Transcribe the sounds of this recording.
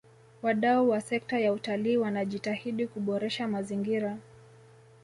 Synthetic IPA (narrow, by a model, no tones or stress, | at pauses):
waɗauwasɛk̚tajautaliːwanaʄitahiɗikuɓɔɾɛʃamaziŋɡiɾa